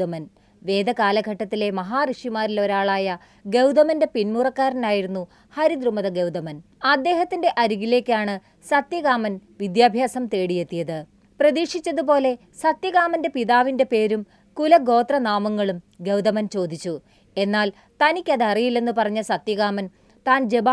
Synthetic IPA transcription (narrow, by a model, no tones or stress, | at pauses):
ɐmɐn | ʋe̞ːd̪ɐkaːlɐɡʱɐʈːɐt̪ːile̞mɐɦaːriʂimaːɾilo̞ɾaːɭaːjɐ | ɡe̞wd̪ɐmɐnde̞pinmurɐkːaːɾɐnaːjiɾunːu | hɐɾid̪rumɐðɐɡewd̪ɐmɐn | ɐd̪ːe̞ːɦɐt̪ːinde̞ʔɐɾuɣile̞ːkʲːaːɳɨ | sɐt̪jɐɣaːmɐnʋid̪jaːbʱjaːsɐmt̪e̞ːɽije̞t̪ːijɐðɨ | prɐðiːʂit͡ɕːɐðupo̞ːle̞ | sɐt̪jɐɣaːmɐnde̞piðaːʋinde̞pe̞ːɾum | kulɐɡo̞ːt̪rɐnaːmɐŋːɐɭum | ɡe̞wd̪ɐmɐnt͡ɕo̞ːd̪ʱit͡ɕːu | e̞nːaːl | t̪ɐnikʲːɐðɐrijilːe̞nːɨpɐrɐɲːɐsɐt̪jɐɣaːmɐn | t̪aːnd͡ʑe̞ba